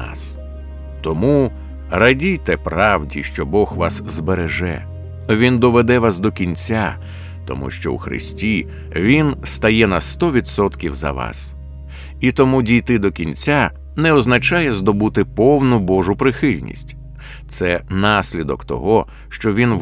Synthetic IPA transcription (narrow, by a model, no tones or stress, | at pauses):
s | t̪ɔmu | rɐdʲijt̪ɛpɾɑwdʲḭʃt͡ʃɔbɔɣʋɑszbeɾeʒɛ̰ | ʋʲind̪ɔʋed̪ɛʋasd̪ɔkʲinʲt͡sʲa | t̪ɔ̰mṵʃt͡ʃɔ̰w̰xɾɪ̰sʲtʲi | ʋʲinst̪ɐjɛnɐst̪ɔʋʲid̪sɔt̪kʲiwzɐ̰ʋɑ̰s | it̪ɔmudʲijt̪ɪd̪ɔkʲinʲt͡sʲa | nɛɔznɐt͡ʃajɛzd̪ɔbut̪ɪpɔwnʊbɔʒʊpɾɪxɪlʲnʲḭsʲtʲ | t̪sɛnɑsʲlʲid̪ɔkt̪ɔ̰ɦɔ | ʃt͡ʃɔʋʲin